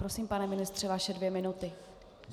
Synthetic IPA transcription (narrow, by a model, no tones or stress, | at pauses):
ɾo̞siːmpanɛmɪnɪst̪r̝̥ɛvaʃɛdvjɛmɪnut̪ɪ